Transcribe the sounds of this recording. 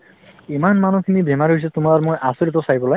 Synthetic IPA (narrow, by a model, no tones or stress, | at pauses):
imanmanukʰinibɛmaɹiɦojs̬ɛtʊmaɹmojʔasoɹit̬ɔsajbɔlɔj